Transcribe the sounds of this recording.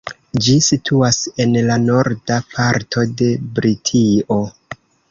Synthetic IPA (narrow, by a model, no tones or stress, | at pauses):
d͡ʒisitʰuase̞nlano̞ɾdapʰaɾtʰo̞de̞bɾitʰio̞